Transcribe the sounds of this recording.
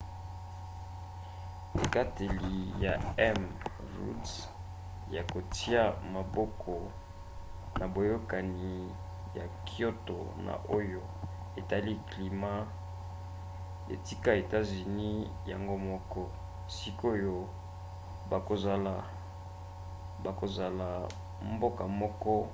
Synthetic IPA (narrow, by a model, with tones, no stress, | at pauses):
ḛ˨ka˦te˨li˨ja̰˨ɛ˦m | ʁṵ˦ds | ja˨ko˨ti˦a˦ma˨bɔ˦kʰɔ˨ | na˨bo˨jo˦ka˨ni˨ | ja˨kʰi˦o˦to̰˨na̰˨ʔo˦jo˦ | e˨ta˨li˦kli˨ma˦ | ḛ˨ti˦ka˦e˨ta˦zi˨ni˦ja˨ŋɡo˦mɔ˦kɔ˦ | si˦ko˦jo˦ | ba˨ko˨za˨la˨ | ba˨ko˨za˨la˨ | mbo˦ka˨mɔ˦kɔ˦